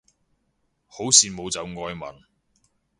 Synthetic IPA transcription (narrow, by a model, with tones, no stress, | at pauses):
ho˨˥wsiː˨mo˨˧wt͡sɐ˨˧wŋɔː˧jmɐ̰˨n